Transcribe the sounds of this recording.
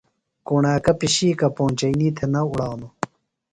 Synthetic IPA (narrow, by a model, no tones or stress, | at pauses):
kuɳaːkɐpiɕiːkɐpõːnʲt͡ɕɐiniːt̪ʰenɐuɽaːwnu